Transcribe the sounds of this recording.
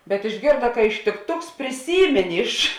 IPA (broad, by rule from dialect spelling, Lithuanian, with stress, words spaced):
bʲɛt ɪʒʲˈɡʲeːrdɐ kɐ ɪʃʲtʲɪkˈtʊks pʲrʲɪˈsʲiːmʲeːnʲeː ɪʃ